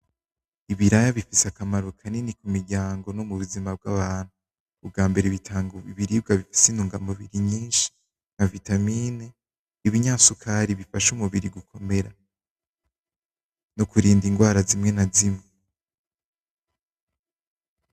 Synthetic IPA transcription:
iβiɾajaβifisakamaɾokʰaninikumiɾɟaːŋɡo̞nomuβuzimab̚ɡaβaːn̥huː | b̚ɡaːmbe̞ɾeβitʰaːŋɡuiβiɾib̚ɡaβifi̥sinuːŋɡamuβiɾiɲiːnʃi̥ | ŋ̥avitamiːne | iβiɲaːsukʰaɾiβifaʃumuβiɾiɡukʰo̞me̞ɾa | nokuɾiːndiŋɡwaːɾazimŋe̞nazimŋe

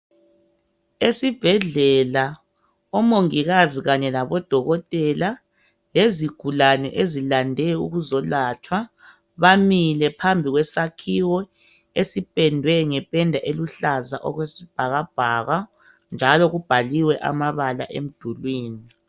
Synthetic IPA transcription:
esib̥ʱɛɮɛla | ɔmoŋiɣaziɣaɲɛlaβɔd̥ʱɔɣɔtʼɛla | leziɡ̥ʱulanɛ̰ʔezilandʱɛuɣuzɔlat͡ʃʰʼwa | βamilɛpʰambʱiɣwɛsakʰiwɔ | esipʼɛndʱwɛŋɛpʼɛndʱaʔeluɬazaʔɔ̰ɣwesib̥ʱaɣab̥ʱaːɣa | nd͡ʒʱalɔɣub̥ʱaliwɛʔa̰maβala̰ʔem̩d̥ʱulwiːni

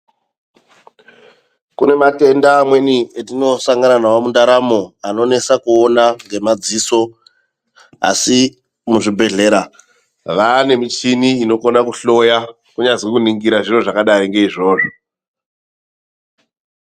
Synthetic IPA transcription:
kune̞mate̞ndaːmwe̞nietino̞saŋɡananawomundaɾamoano̞ne̞sakuonaŋɡe̞mad͡ziso̞ | a̰si | muʐibʱe̞ɮe̞ːɾa | ʋane̞mit͡ʃiniino̞konakuɬo̞ja | kuɲad͡zikuniŋɡiɾaʐiro̞ʐakaɗaɾiŋɡe̞iʐo̞ːʐo

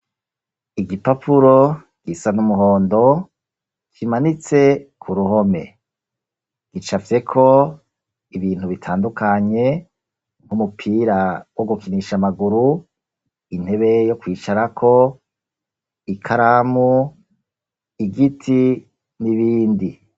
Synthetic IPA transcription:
iɡipapʰuɾo̞ | ɡ̥isanumuɦo̞ːndo̞ | t͡ʃimanit͡se̞kʰuɾuho̞me̞ | ɡ̥it͡ʃave̞kʰo̞ | iβiːn̥huβitʰaːndukaɲe̞ | ŋhumupʰiːɾawoɡukiniʃamaɡuɾu | in̥he̞βe̞jo̞kwiːt͡ʃaɾakʰo̞ | ikʰaɾamu | iɡitʰi | niβiːndi

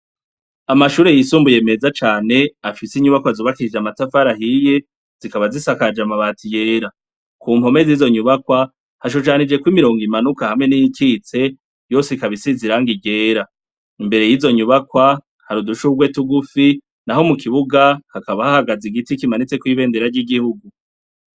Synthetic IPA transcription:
amaʃuːɾe̞jisuːmbuje̞me̞zat͡ʃaːne̞afisiɲuβakwazuβakid͡ʒamatafaɾahije | z̥ikaβazisakad͡ʒamaβatʰije̞ːɾa | kʰuːmho̞me̞ziːzo̞ɲuβakwa | haʃ̬uʃanid͡ʒe̞kwiːmiɾo̞ːŋɡimanukahamŋe̞nijikiːt͡se̞ | jo̞ːseikaβisiziɾaŋɡiɟe̞ːɾa | imbe̞ɾe̞jizo̞ɲuβakwa | haɾuduʃuɡwe̞tuɡufi | naho̞mukiβuɡahakaβahahaɡaziɡitikimanit͡se̞kwiβe̞ːnde̞ɾaɾɟiɡihuɡu

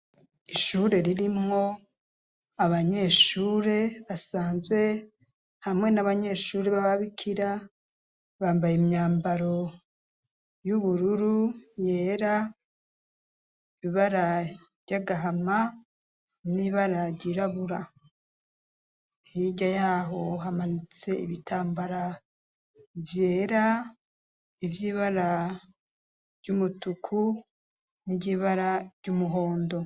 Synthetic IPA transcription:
iʃuːɾe̞ɾiɾimŋo̞ | aβaɲe̞ʃuːɾe̞βasaːnzwe̞ | hamŋe̞naβaɲe̞ːʃuːɾeβaβaβikʰiɾa | βaːmbajimɲaːmbaɾo̞ | juβuɾuɾuje̞ːɾa | iβaɾa | ɾɟaɡaɦama | niβaɾaɟiɾaβuɾa | hiɟajaːɦo̞ɦamanit͡se̞ḭβitʰaːmbaɾa | vje̞ːɾa | ivjiːβaɾa | ɾɟumutukʰu | niɟiβaɾaɾɟumuɦo̞ːndo̞

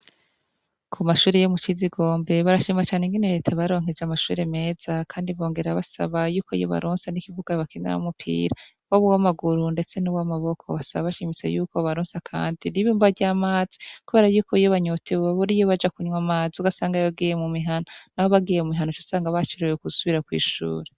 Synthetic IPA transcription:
kʰumaʃuːɾejomut͡ʃiziɡo̞ːmbe̞βaɾaʃiːmat͡ʃaːneŋɡineɾetʰaβaɾo̞ːŋ̥e̞d͡ʒamaʃṵːɾeme̞ːz̥akʰaːndiβo̞ːŋɡe̞ɾaβasa̰βajuːkoijo̰βa̰ɾʔoːnsanikivuɡ̥aβakiniɾa̰humupʰḭːɾa | waβuwamaɡuɾunde̞t͡se̞nuβwamaβo̞kʰo̞̰βasaβaβaʃimisḛjuːkoβaɾoːnsakʰa̰ːndiniβiuːmbaɟaːmaːz̥i̥kuβe̞ːɾajuːkʰo̞ijoβaɲotʰeaβoɾijoβad͡ʒakuɲwamaːziuɡasaːŋɡaβaɡijemumiɦanonaho̞βaɡiːjemumiɦanot͡ʃasaːŋɡaβat͡ʃiɾejokusuβiɾakwḭːʃṵːɾe

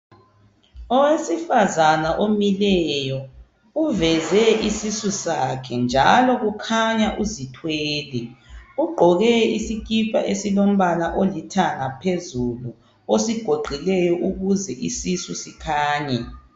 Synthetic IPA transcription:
ɔwesifazanaʔomilɛjɔ | uvɛzɛisisusakʰɛnd͡ʒʱalɔɣukʰaɲaʔuzitʰweːlɛuɡ͡ǃʱɔɣɛisik̬ʰʼipʰaʔesilom̩βalaʔolitʰaŋapʰezulu | osiɡ̥ʱoɡ͡ǃʱilɛjɔʔuɣuzɛʔisisusikʰaːɲɛ

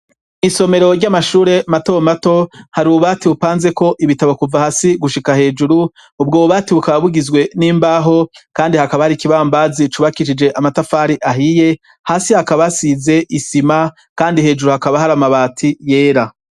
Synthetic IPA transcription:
niso̞me̞ɾo̞ɾɟamaʃuːɾe̞matomato̞haɾiuuβaːtiβupaːnze̞ko̞ʔiβitaβokuvahasiɡuʃikahe̞ːd͡ʒuɾu | ub̚ɡoβuβaːtiβukaβaβuɡizɡwe̞niːmbaːɦo̞kaːndihakaβahaɾikiβambaːzit͡ʃuβakiʃ̬id͡ʒe̞ʔamatafaːɾiʔaɦije | haːsihakaβasize̞ʔisima | kaːndihe̞ːd͡ʒuɾuhakaβahaɾamaβaːtʰije̞ːɾa

